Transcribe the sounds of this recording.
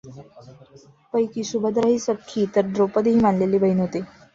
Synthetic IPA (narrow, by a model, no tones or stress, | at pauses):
pəjkiːsubʱəd̪ɾaɦiːsəkʰːiːt̪əɾɖɾopəd̪ɦiːmaɳleliːbəiːnɦot̪e